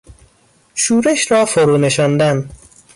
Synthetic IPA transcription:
ʃuːɾeʃɾɒːfoɾuːneʃɒːnd̪æn

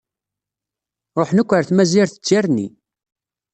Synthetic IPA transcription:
ɾˤoħnækʷːəɾθmæziɾθə̥t͡sːjaɾnːḭ

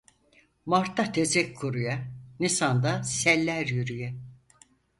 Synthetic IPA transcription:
maɾt̪ʰːat̪ʰezɛkʰːuɾujanisand̪asɛlʲːæɾjyɾyjɛ

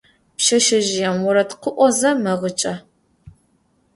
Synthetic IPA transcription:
pʃɐʃɐʒɪjɛmwʊɾɐtqəʔʷɔzɐmɐʁət͡ʃʼɐ

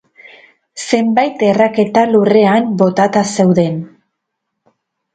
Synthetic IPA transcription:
se̞mbajt̪e̞rake̞t̪alure̞ambo̞t̪at̪ase̞wðe̞n

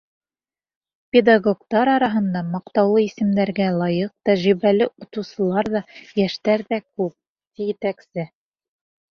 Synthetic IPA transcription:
pʲed̪aɡokt̪ɑɾɑɾɑɦɤ̆nd̪ɑmɑqt̪ɑwlˠɤisɘ̆md̪æɾɡælˠɑjɤq̚t̪æʒɾiβælɘʔŏt̪ŭwsɤ̆lˠɑɾðɑjæʃt̪æɾðækʉp̚ | t̪ijɘt̪æksɘ

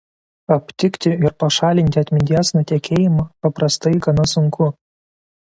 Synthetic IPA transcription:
ɐpʲt̪ʲɪkʲt̪ʲɪɪɾpɐʃɑːlʲɪnʲt̪ʲɪɐt̪ʲmʲɪnʲd̪ʲiɛsnɐt̪ʲɛkʲeːjɪmɑpɐpɾɐst̪ɐɪɡɐnɐsʊŋkʰʊ

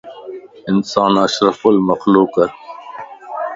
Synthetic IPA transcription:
ɪnsaːnɐʃɾɐfʊlmɐxloːkɐɾ

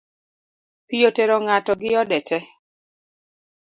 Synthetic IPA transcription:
pijoteɾɔŋatɔɡɪjɔdɛtʰɛ

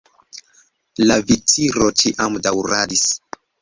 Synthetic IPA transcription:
lavitiɾo̞t͡ʃiʔamdawɾadis

